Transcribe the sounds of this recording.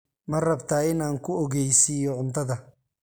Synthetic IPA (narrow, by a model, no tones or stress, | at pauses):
mɐrɐbt̪ʰaːɪnaːŋkʰʊɔɣɛjsiːjɔʕʊnt̪ʰɐðɐ